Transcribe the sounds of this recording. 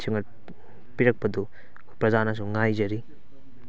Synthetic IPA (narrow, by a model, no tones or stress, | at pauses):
t͡ʃʰiŋɐɾ | piɾɐk̚pɐdu | pɾɐzanas̬uŋajzɐɾi